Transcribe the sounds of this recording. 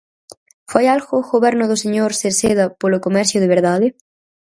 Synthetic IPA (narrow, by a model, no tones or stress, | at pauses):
fajalxoxoβɛɾnoðʊseɲoɾseɾseðɐpolokomɛɾθjoðeβeɾðaðe